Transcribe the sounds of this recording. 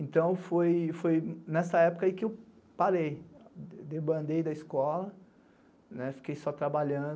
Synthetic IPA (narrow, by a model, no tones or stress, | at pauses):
ẽnt̪ɐ̃w̃fojfojnɛsɐɛpo̥kɐaikɪew | paɾej | d̪ebɐ̃nd̪ejd̪ɐiskɔlɐ | nɛfi̥kejsɔt̪ɾabaʎɐ̃d̪